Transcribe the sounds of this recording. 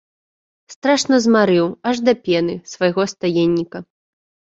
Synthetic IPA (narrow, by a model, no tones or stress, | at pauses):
st̪ɾaʂnɐzmaɾɨwɐʐd̪ɐpʲɛnɨsvɐjɣɔst̪ajɛnʲːikɐ